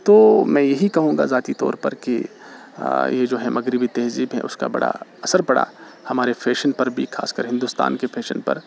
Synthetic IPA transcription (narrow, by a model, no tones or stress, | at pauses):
t̪oːmɛ̃ːjɐɦikɐɦũːŋɡa̰zaːt̪it̪ɔːɾpɐɾke | jed͡ʒoːɦɛ̃mɐɡɾɪbit̪ɛɦziːbɦɛ̰̃ʔʊ̰ska̰bɐ̰ɽa̰ɐsəɾpɐɽa̰ː | hɐmaːɾefʰeːʃənpɐɾbʱixʰa̰ːskəɾɦɪ̃nd̪uːst̪a̰ːnkefʰeːʃənpɐ̰ɾ